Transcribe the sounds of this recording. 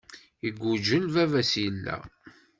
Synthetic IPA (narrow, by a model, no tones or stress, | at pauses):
iɡʷːud͡ʒəlvævæsjəlːæ̰